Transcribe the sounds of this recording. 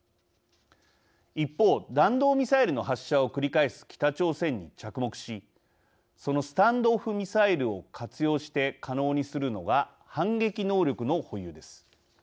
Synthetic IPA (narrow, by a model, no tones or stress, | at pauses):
ipːo̞ːd̪ãnd̪o̞ːmʲisaiɾɯ̟no̞ɦaɕːao̞kɯ̟ɾʲikaesɨ̥kʲʰi̥t̪at͡ɕo̞ːsẽ̞ɲ̟ːit͡ɕakɯ̟mo̞kɯ̟̥ɕi | so̞no̞sɨ̥t̪ãnd̪o̞ɸɯ̟mʲisaiɾɯ̟o̞kʰat͡sɨjo̞ːɕi̥t̪e̞kʰano̞ːɲ̟isɨɾɯ̟no̞ɡa | hãŋɡe̞kʲino̞ːɾʲo̞kɯ̟no̞ho̞jɯ̟ːd̪e̞sɨ̥